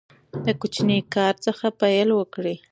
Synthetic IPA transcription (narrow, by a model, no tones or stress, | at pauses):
d̪əkut͡ʃnikɑɾt͡səxapajəlwəkɽi